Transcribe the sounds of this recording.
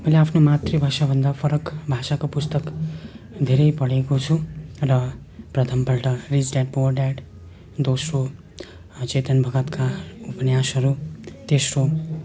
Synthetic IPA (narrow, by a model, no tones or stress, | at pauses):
mʌjleapʰnomat̪ribʱasabʱʌnd̪apʰʌɾʌkbʱasakopust̪ʌk | d̪ʱeɾʌjpʌɽekot͡sʰurʌ | prʌt̪ʰʌmpʌɭʈʌrid͡zɖaʈ̚borɖaɖ | d̪osro | t͡set̪ʌnbʱʌɡʌt̪kaupʌnjasʌɾut̪esro